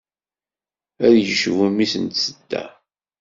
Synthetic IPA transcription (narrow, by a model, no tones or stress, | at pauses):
æɾjəʃəvæmisənt̪səd̪̥ːæ̰